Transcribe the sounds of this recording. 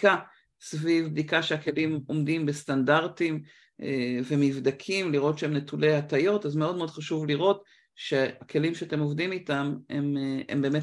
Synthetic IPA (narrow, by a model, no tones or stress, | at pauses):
ka | svivbd̪ikaʃeake̞limo̞mdimbe̞standaʁtim | evemivdakʰimliʁo̞tʃeemne̞tule̞jhatajo̞tazmeo̞d̚meod̥̪χaʃuvliʁo̞t | ʃehakʰe̞limʃeatemovdimitamḛmḛmbe̞ːme